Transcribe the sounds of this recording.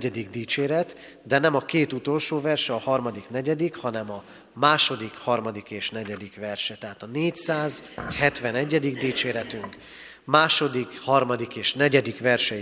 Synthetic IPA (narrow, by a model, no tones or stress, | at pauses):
ɛd̪iɡd̪iːt͡ʃeːɾɛt̪ | d̪ɛnɛmɒkeːt̪ut̪o̞lʃoːvɛrʃɛɒhɒrmɒd̪ikn̪ɛɟɛd̪ikhɒnɛmɒ | maːʃo̞d̪ikhɒrmɒd̪ikeːʃnɛɟɛd̪ikʋɛrʃɛt̪ɛɦaːt̪ɒneːcsaːzhɛt̪ʋɛnɛɟːɛd̪iɡd̪iːt͡ʃeːɾɛt̪yŋk | maːʃo̞d̪ikhɒrmɒd̪ikeːʃn̪ɛɟɛd̪ikʋɛrʃɛ